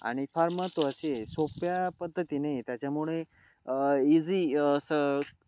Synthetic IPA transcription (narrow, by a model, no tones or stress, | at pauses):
a̰ɽ̃ifʰaɾmət̪oəʃesopjapəd̪ʱːət̪inəit̪jat͡ɕamuɭe | izisə